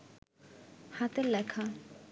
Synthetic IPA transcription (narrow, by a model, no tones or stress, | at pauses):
hat̪elɛkʰa